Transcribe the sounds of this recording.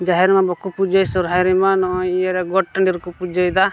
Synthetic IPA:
d͡ʒaɦɛɾimabɔkupud͡ʒajsɔɾɦajɾimanɔʔɔ̃jijaɾɛɡɔʈːaɳɖiɾkupud͡ʒajd̪a

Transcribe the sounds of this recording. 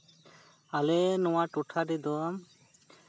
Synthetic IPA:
alenɔ̃waʈuʈʰaɾɛd̪ɔam

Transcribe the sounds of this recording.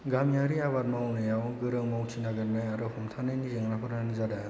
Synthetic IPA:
ɡamijaɾiaβat̚mawnɯjawɡɯɾɯŋmawt͡ʃʰinaɡɯɾnajaɾɯhɔmtʰanɯjnizeŋɾapʰɯɾnanizada

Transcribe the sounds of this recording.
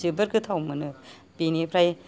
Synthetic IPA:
zibɐɾɡɯt̪ʰawmɯnɯ | b̥inipʰɾaj

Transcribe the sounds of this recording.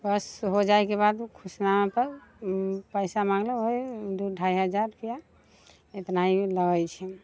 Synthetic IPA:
bəsɦod͡ʒaekebad̪kʰusnapəɾ | pəjsamãŋɡleɦojd̪uɖʱaiɦəd͡ʒaɾkija | et̪nailəɡəjt͡ʃʰɛ

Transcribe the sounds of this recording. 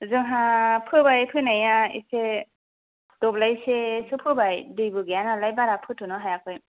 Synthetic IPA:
zɯŋɦapʰɯbajpʰɯnajaḭse | d̥ɔblajsesɯpʰɯbajdɯjbɯɡejanalajbaɾapʰɯtʰunɔɦajakʰɯj

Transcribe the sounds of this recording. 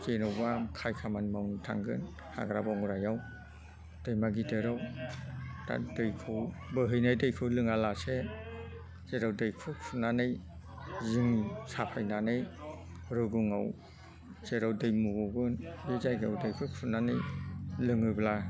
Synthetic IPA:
zenɯwbakʰajkʰamanmawntʰa̰ŋɡɯn | ha̰ɡɾabɔŋɾajaw | d̥ɯjmaɡidɯɾaw | ta̰dɯjkʰɯwbɯɦɯjnajdɯjkʰɯwlɯŋalase | z̥eɾawdɯjkʰɯksʰunanɯj | ziŋsapʰajnanɯj | ɾɯɡuŋa̰w | z̥eɾawdɯjmuɡɔɡɯnbezajɡa̰wdɯjkʰɯksʰunanɯjlɯŋɯbla

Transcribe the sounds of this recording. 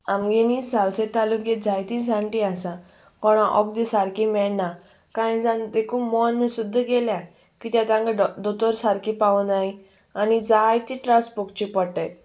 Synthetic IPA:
amɡenid͡zalt͡sẽt̪alukjed͡zajt̪id͡zãɳʈiasa | kɔɽ̃ãʔɔk̚d̪isaɾkimɛɭna | kãd͡zãnd̪ekʰuːmɔnːəsud̪ʱːəɡeljã | kit̪jat̪ãŋɡad̪ɔt̪ɔɾsaɾkʰipaunaɦi | anid͡zajt̪iʈɾaspɔk̚t͡ɕipɔʈəj

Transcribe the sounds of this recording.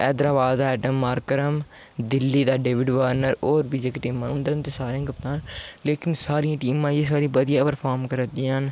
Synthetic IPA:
ɛːd̪ɾaːbaːd̪d̪ːɛːɖəmːaːɾkəɾəm | d̪ɪlːiːd̪aːɖeːʋɪɖʋəːɾnəɾoːɾbiːd͡ʒeːkeʈiːmãːnʊ̃nd̪əɾənt̪eːsaːɾẽãːkəp̚t̪ãːnleːkɪnsaːɾĩãːʈiːmãːiẽsaːɾĩːbəd̪ɪjaːpəɾpʰaːɾmkəɾd̪ĩːən

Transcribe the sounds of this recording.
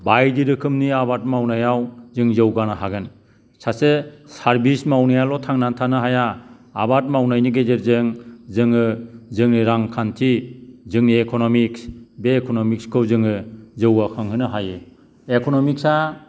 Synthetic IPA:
bajdiɾɯkʰɯmniabat̚mawnajawzɯŋzɯwɡanaɦaɡɯn | sasesaɾbismawnajalɔtʰaŋnantʰanɯɦajaː | bat̚mawnajniɡezeɾzɯŋzɯŋɯzɯŋniɾaŋkʰantʰizɯŋniekʰɔnɔmiksbeːkʰɔnɔmikskʰɯwzɯŋɯzɯwakʰɯŋhɯnɯɦajɯ | ekʰɔnɔmiksa

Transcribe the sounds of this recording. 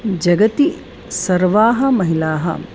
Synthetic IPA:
d͡ʒɐɡɐt̪i | sɐɾʋaːɦɐ̆mɐɦilaːɦɐ̰

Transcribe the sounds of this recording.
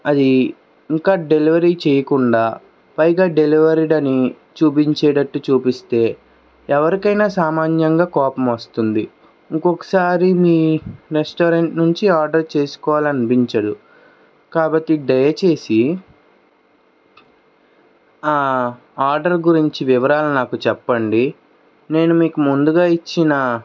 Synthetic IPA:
ɐd̪i | iŋkaːɖe̞liʋɐɾiːt͡ʃejɐkuɳɖaː | pɐjɡaːɖe̞liʋɐɾiɖɐni | t͡ʃuːpiɲt͡ʃɛːɖɐʈːut͡ʃuːpist̪e̞ː | ɛʋɐɾikɐjnaːsaːmaːnjɐŋɡaːkɔːpɐmʋɐst̪und̪i | ŋkokɐ̥saːɾimiːɾesʈoːɾeɳʈnuɲt͡ʃiaːɾɖɐɾt͡ʃe̞ːsu̥kɔːʋaːlɐnibiɲt͡ʃɐd̪u | kaːbɐʈ̪ːiɖɐjɐt͡ʃe̞ːsi | aː | aːɾɖɐɾɡuɾiɲt͡ʃiʋiʋɐɾaːlunaːkut͡ʃɛpːɐɳɖi | ne̞ːnumiːkumund̪uɡaːit͡ʃːinɐ

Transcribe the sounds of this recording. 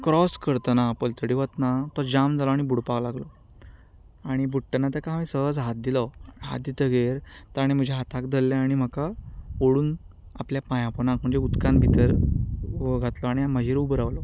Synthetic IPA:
kɾɔskəɾt̪ənapəlt̪əɽiʋət̪nat̪ɔd͡ʑamd͡zalɔaɽ̃ibuɽpaɡlaɡlɔ | aɽ̃ibuʈːənat̪əkãmĩsəɦəd͡zɦat̪̚d̪ilɔɦa̰t̪̚d̪it̪əɡeɾt̪əaɽ̃im̤əd͡ʑʱeɦat̪akd̪ʱəlːeaɽ̃im̤əkaoɽuːn | a̰pljapãjãpənãkm̤əɳd͡ʑeut̪kãnbʱit̪əɾ | ɡʱat̪lɔaɽ̃iaməd͡ʑiɾubəɾaʋlɔ

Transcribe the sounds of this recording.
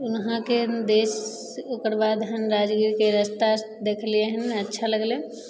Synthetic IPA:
unɦãked̪es | okəɾbad̪ɦənɾad͡ʒɡiɾkeɾəst̪a | d̪ekʰlijeɦənətːʃʰaləɡle

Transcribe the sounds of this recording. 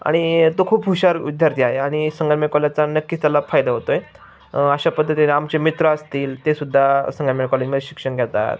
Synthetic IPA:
a̰ɽ̃it̪okʰuːpɦuɕaɾḭd̪ʱːəɾt̪ʰiajeaɽ̃isəŋɡalmeɽkɔlat͡sanəkːit͡st̪jalafajd̪aɦot̪oje | əɕapəd̪ʱːət̪iamt͡ɕemit̪ɾəəst̪iːlt̪esud̪ʱːasəŋɡalmeɽkɔled͡ʑmeɾeɕikʂəɳɡʱɛt̪a̰t̪

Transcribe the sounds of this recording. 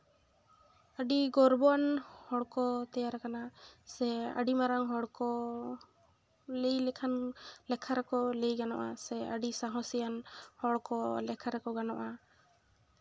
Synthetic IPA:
aɖiɡɔɾbɔanhɔɽkɔt̪ɛjaɾakanasɛa̰ɖimaɾaŋɦɔɽkɔ | lejlɛkʰanlɛkʰaɾɛkɔlejɡanɔ̰ʔa̰sɛaɖisaɦɔ̃sɛjanhɔɽkɔlɛkʰaɾɛkɔɡanɔʔa

